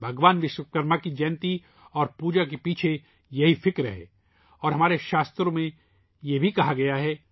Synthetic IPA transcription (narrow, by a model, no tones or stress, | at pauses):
bʱɐɡʋaːnʋɪʃwəkəɾmakid͡ʒɛːnt̪i | ɔːɾpuːd͡ʒakepiːt͡ʃʰe | jɐɦifɪkɾ̰ɦḛː | ɔːɾɦɐmaːɾeʃaːst̪ɾõmẽ | jebʱikɐɦaɡɐjaɦɛː